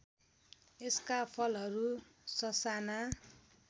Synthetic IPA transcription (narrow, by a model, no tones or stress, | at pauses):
eskapʰʌlɦʌɾusʌsana